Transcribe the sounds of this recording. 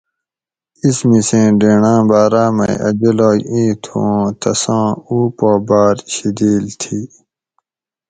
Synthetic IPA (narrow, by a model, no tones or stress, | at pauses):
ismisẽːɖeːɳãːbaːɾaːmɐ̰̃ḭʔɐ̰d͡ʑɐloːjĩːt̪ʰõːt̪ʰɐsãːuːpoːbaːɾɕid̪iːlt̪ʰiː